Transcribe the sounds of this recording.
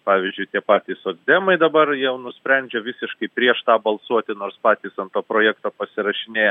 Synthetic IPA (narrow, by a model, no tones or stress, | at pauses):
pɑːʋʲɪzʲd͡ʒʲʊɪt̪ʲiɛpɑːt̪ʲiːsoːɡd̪ʲɛmɐɪd̪ɐbɐrjɛʊnʊsʲpʲɾʲɛnʲd͡ʒʲɛʋʲɪsʲɪʃkɐɪpʲɾʲiɛʃt̪ɑːbɐlˠsuɔt̪ʲɪnoːɾspɑːt̪ʲiːsɐnt̪oːpɾoːjæːkt̪oːpɐsʲɪɾɐʃʲɪnʲeːjɛ